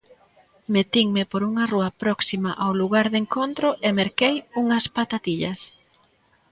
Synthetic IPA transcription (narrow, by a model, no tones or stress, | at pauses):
met̪iŋmɪpoɾuŋɐruɐpɾɔksimaʔawluɣaɾðeŋkont̪ɾʊʔemeɾkejuŋɐspat̪at̪iʎɐs